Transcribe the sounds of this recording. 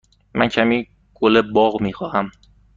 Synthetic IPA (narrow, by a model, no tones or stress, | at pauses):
mæncʲʰæmiː | ɡ̥olebɒɣmiːxɒːhæm